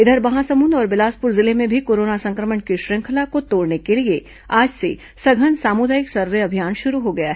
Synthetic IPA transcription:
ɪd̪ʱəɾbɐɦãsɐmund̪ɔːɾʋɪlaːspʊɾzɪlemẽbʱikoːɾoːnasɐ̃ŋkɾəməɳkiʃɾɪ̃ŋkʰəlakot̪oːɽnekelie | aːd͡ʒse | sɐɡʱənsaːmud̪aːjɪksɐɾʋeɐbʱijaːnʃʊɾuɦoɡɐjaɦɛ

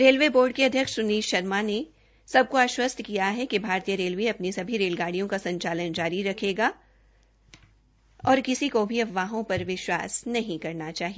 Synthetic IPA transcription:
ɾeːlʋeboːɾɖ̚keɐd̪ʱjəkʃʊniːʃʃɐɾmane | sɐb̚koaːʃwəst̪ʰkijaɦɛkibʱaːɾt̪ijəɾeːlʋeɐpnisɐbʱiɾeːlɡaːɽijõkasɐ̃ɲt͡ʃaːlənd͡ʒaːɾiɾɐkʰeːɡa | ɔːɾkɪsikobʱiɐʋːaːɦõpɐɾʋɪʃwa̰ːsnɐɦĩkɐɾnat͡ʃaːɦi

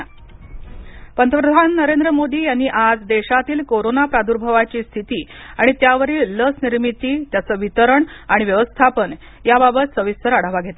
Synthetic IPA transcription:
pənt̪ʰəpɾəd̪ʱanːəɾend̪ɾəmod̪iːjanːiːʔad͡zd̪eɕat̪iːlkoɾonapɾad̪uɾbʱəʋat͡ɕiːst̪ʰit̪iːaɽ̃it̪jaʋəɾiːlːəsniɾmit̪iːt̪jat͡səːʋit̪əɾəɳaɽ̃iʋjəʋəst̪ʰapən | jababət̪səʋist̪ʰəɾaɽ̤aʋaɡʱet̪a

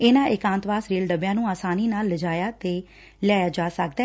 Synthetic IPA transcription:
ɪnãːʔɪkãːnt̪ʋaːsɾiːlɖəbjãːnũːaːsaːniːnaːlːəd͡ʒaːjaːt̪eː | lɪaːjaːd͡ʒaːsək̚d̪aː

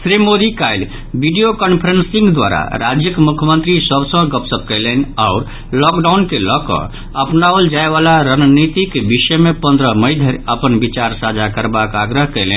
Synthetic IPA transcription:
sɾimod̪ikajl | biɖijokənpʰəɾensĩŋɡd̪wa̰ɾa̰ɾa̰d͡ʒjəkmukʰjmənt̪ɾisəbsə̃ɡəpsəp̚kɛɪlənaʊɾ | lɔkɖankelɔkɔ̰ | əpnabəld͡ʒaeβalaɾənnit̪ikebisəjmepə̃nd̪ɾəməɪd̪ʱəɾəpənbit͡ʃaɾsad͡ʒakəɾbakaɡɾəɦkɛlen

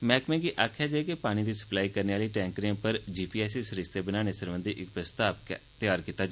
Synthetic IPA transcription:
mɛ̃ːkmɛ̃ːɡiːʔaːkʰːjaːd͡ʒaːekepaːɽ̃ĩːd̪iːsə̥plaːiːkəɾneːaːliːʈɛ̃ːŋkɾɪãːpəɾd͡ʒiːpiːɛːsiːsəɾɪst̪eːbənaːñeːsəɾʋə̃nd̪iːʔɪkpɾəst̪aːpkt̪ɪjaːɾkiːt̪ːaːd͡ʒ

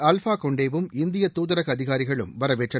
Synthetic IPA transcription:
ɐlfaːkɔɳɖeːʋɯmɪnd̪ɪjɐt̪ːuːðɐɾɐɣɐðɪɣaːɾɪɣɐɭɯ̰mʋɐɾɐʋeːʈrɐ

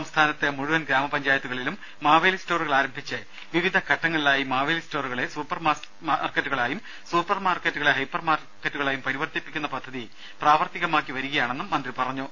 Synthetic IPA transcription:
ɐmst̪ʰaːnɐt̪ːɨmuɻuʋɐnɡɾaːmɐpɐɲd͡ʑaːjɐt̪ːuɣɐɭilumːaːʋɐlisto̞ːruɣɐɭaːɾɐmbʱit͡ɕːɨ | ʋiʋid̪ʱɐkʰɐʈːɐŋːɐɭilaːjimaːʋɐlisto̞ːruɣɐɭe̞suːpːɐrma | arketːuɣɐɭaːjum | suːpːɐrmaːrketːuɣɐɭeɦɐjpːɐrmaːr | kːetːuɣɐɭaːjumpɐɾiʋɐrt̪ipːikʲːunːɐpɐd̪ʱːɐði | praːʋɐrt̪iɣɐmaːkːiʋɐɾuɣɐjaːɳe̞nːumːɐnd̪ripɐrɐɲːu

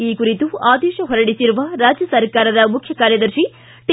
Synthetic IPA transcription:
iːkuɾit̪uaːd̪ɛːʃɐɦɔɾɐɽisiɾuʋɐɾaːd͡ʒjɐsɐɾkaːɾɐd̪ɐmukʰjɐkaːɾjɐd̪ɐɾʃi | ʈ

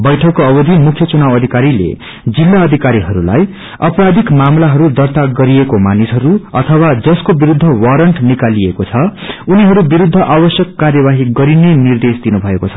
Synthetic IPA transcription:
bʌjʈʰʌkːoʌbʌd̪ʱimukʰjʌt͡sunawʌd̪ʱikaɾilḛ | d͡zilːaʌd̪ʱikaɾiɦʌɾula̰j | ʌpɾad̪ʱikmamlaɦʌɾud̪ʌrt̪aɡʌɾiekomanisɦʌɾuʌt̪ʰʌwad͡zʌskobiɾud̪ʱːʌwaɾʌɳʈnikaliekot͡sʰʌuniɦʌɾubiɾud̪ʱːʌʔawʌsjʌkːarjʌβaɦiɡʌɾinenird̪esd̪inubʱʌekot͡sʰʌ̥

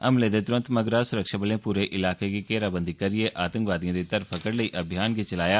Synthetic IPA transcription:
ə̰mleːd̪eːt̪ʊɾə̃nt̪məɡɾaːsʊɾəkʃaːbəlẽːpuːɾeːʔɪlaːkeːɡiːkeːɾaːbə̃nd̪iːkəɾɪeːʔaːt̪ə̃ŋkʋaːd̪iãːd̪iːt̪əɾpʰəkəɽləiːʔəbʱijaːnɡit͡ʃəlaːjaː

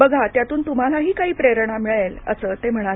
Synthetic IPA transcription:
bəɡʱat̪jat̪uːnt̪um̤alaɦiːkaɦiːpɾeɾəɳamiɭelə̰səːt̪em̤əɽ̃a

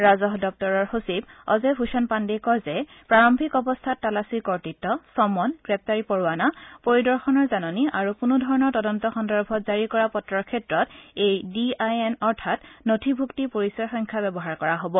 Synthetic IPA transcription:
ɹazɔɦdɔk̚tɔɹɔɹhosibɔ̰zɛɦusɔnpandikɔzɛ | pɹaɹɔmbʱikɔbɔstʰatːalasikɔɹtitːɔsɔmɔnɡɹɛp̚taɹipɔɹanapoɹidɔɹxɔnɔɹzanɔniʔaɹukunudʱɔɹɔnɔɹtɔdɔntɔxɔndɔɹbʱɔtzaɹikɔɹapɔtɹɔɹkʰɛtɹɔtejdiajɛnɔɹtʰatnotʰibʱuktipoɹisɔɹxɔjŋkʰabɛbɔɦaɹkɔɹaɦobɔ

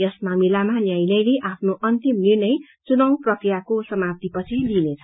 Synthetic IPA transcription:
jʌsmamilamanjajlʌjleʔapʰnoʔʌnt̪imnirnʌj | t͡sunʌw̃prʌkrijakosʌmap̚t̪ipʌt͡sʰilinet͡sʰʌ̥

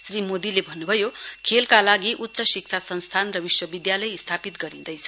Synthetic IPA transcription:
srimod̪ilebʱʌnːubʱʌjokʰelkalaɡiʔutːsʌsik̚t͡sʰasʌnst̪ʰanrʌbiswʌbid̪jalʌjist̪ʰapit̪ɡʌɾid̪ʌjt͡sʰʌ

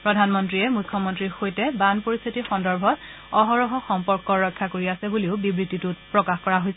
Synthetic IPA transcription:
pɹɔdʱanmɔntɹiɛmujkʰːɔmɔntɹiɹxojtɛbanpoɹist̪ʰitixɔndɔɹbʱɔt | ɔɦɔɹɔɦɔxɔmpɔɹkɔɹɔjkʰːakoɹiasɛbuliʊbibɹititutpɹɔkaxkɔɹaɦojsɛ

